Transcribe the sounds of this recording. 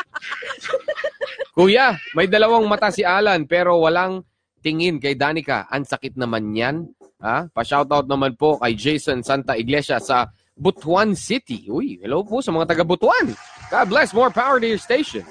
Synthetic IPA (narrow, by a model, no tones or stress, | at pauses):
kuːjamɐjd̪ɐlɐwaŋmɐt̪asɪʔaːlɐnpɛːɾo̞wɐlaŋ | t̪ɪŋɪnkɐjd̪aːnɪka̰ʔɐ̰ŋsɐkɪt̪̚nɐmanɲan | hapɐʃawt̪awt̪̚nɐmanpo̞kɐjd͡ʒejsɐnsant̪ɐʔɪɡlɛʃɐsɐ | bʊt̪wansɪt̪ɪ̰ʔʊjhɛlowposɐmɐŋat̪ɐɡabʊt̪wanɡad̪̚blɛsmɔɹpawəɹd̪ɪjɹst̪ejʃõ̰n